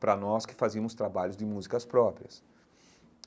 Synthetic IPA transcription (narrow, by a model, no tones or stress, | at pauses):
pɾɐnɔskɪ̥fazimʊst̪ɾabaʎʊzd̪ɪmuzikɐspɾɔpɾiɐs